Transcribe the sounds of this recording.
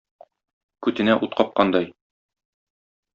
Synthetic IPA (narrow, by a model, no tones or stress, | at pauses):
kʉt̪ɘ̆næʔut̪̚qɒp̚qɑnd̪ɑj